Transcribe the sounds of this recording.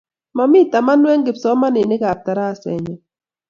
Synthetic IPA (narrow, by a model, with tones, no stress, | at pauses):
ma˨mɪ˦ta˨ma˦nwɛ˦ŋɡɪ˨psɔ˦ma˦nɪ˨nɪ˦kaː˨p̚ta˨ɾa˦˨sɛ̰˨ɲɔ˨